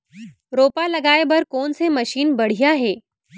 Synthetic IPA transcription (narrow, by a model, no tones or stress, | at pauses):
ɾopaləɡajbəɾkoɳseməɕiːnbəɽ̤ijaɦe